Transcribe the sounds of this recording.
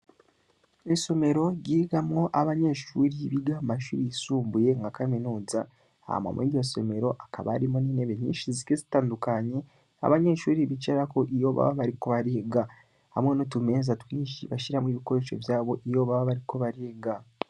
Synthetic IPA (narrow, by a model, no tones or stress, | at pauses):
miso̞me̞ɾo̞ɟiɡamŋo̞ʔaβaɲe̞ʃuːɾiβiɡamaʃuːɾijisuːmbuje̞ŋɡakaminuːza | a̰ma̰mwioso̞̰me̞ɾo̞ʔakʰa̰βa̰ɾimoniːneβeɲiːʃizikezitaːndukaɲe̞ | a̰βaɲe̞ʃuːɾiβit͡ʃeɾakoʔijo̞βa̰βaβaɾiko̞βaɾeːɡa | ha̰mŋe̞notume̞zatwiːʃḭβaʃiɾamwiβiko̞ɾeʃo̞̰vjaːβo̞ʔijo̞βaβaβaɾiko̞βaɾeːɡa